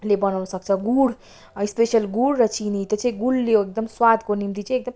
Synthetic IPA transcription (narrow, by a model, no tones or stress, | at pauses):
lebʌnawnsʌk̚t͡sʰʌɡuɽ | ispesjʌlɡuɽːʌt͡sinit̪et͡sʌ̃ĩɡulːoek̚d̪ʌmswad̪ʱkonimt̪it͡sʌ̃ĩek̚d̪ʌm